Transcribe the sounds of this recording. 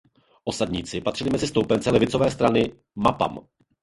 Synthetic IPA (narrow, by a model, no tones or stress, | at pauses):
ʔosadɲiːt͡sɪpat̪r̥ɪlɪmɛzɪst̪owpɛnt͡sɛlɛvɪt͡sovɛːst̪ɾanɪ | mapa̰m